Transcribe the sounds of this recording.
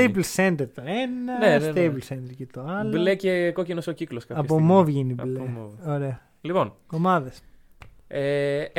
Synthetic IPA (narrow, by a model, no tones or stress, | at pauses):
ejblsend̪eɾt̪oenɐnest̪ejplsend̪eɾcet̪oɐloblecekocinosocikloskɐɐpomovʝinibleoɾeɐ | lipo̞nomɐðes | e